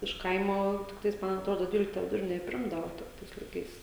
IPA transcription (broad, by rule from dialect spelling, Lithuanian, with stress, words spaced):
ɪʃ ˈkɐɪmoː tʲɪkˈtɐɪs ˈmɐn ɐtˈroːdoː ˈdʲʋʲiːlʲɪktɐ ʋʲɪdʊˈrʲɪnʲeː ɪ ˈpʲrʲɪmdɐʋoː ˈtɐɪs lˠɐɪˈkɐɪs